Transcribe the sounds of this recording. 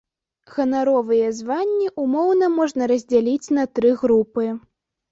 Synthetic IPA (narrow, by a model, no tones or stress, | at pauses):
ɣɐnaɾɔvɨjɛzvanʲːiʔumɔwnɐmɔʐnɐɾɐzʲd͡zʲalʲit͡sʲnɐt̪ɾɨɣɾupɨ